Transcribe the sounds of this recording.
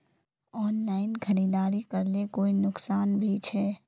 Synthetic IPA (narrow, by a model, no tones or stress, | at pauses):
ɔːnlaːɪnkʰəɾiːd̪aːɾikəɾlekoːinʊksaːnbʱit͡ʃʰɛː